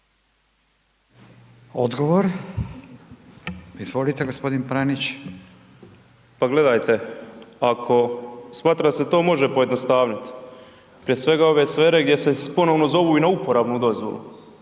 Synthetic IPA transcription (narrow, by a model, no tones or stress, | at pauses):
od̪ɡoʋoɾ | izʋo̞lit̪eɡospo̞d̪inpɾanit͡ɕ | paɡle̞d̪ajt̪e̞akʰo̞smaːt̪ɾad̪aset̪o̞ːmo̞ʒepo̞je̞d̪nost̪aːʋnit̪ | pɾijesʋe̞ɡao̞ʋesʋe̞ːɾe̞ɡd̪ʲjesepo̞noʋnozo̞ʋuːinaupoɾaːbnud̪o̞zʋo̰lṵ